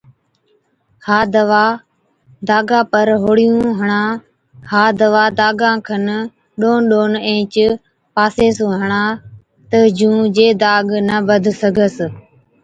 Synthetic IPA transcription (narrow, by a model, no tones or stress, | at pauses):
haːd̪əʋaː | d̪aːɡãːpəɾɦoːɽɪjũːɦəɳãː | haːd̪əʋaːd̪aːɡãːkʰən | ɗoːnɗoːnẽːt͡ʃ | paːseːsũːɦəɳãː | t̪əd͡ʒũːd͡ʒeːd̪aːɡnəbəd̪ʱsəɡʱəs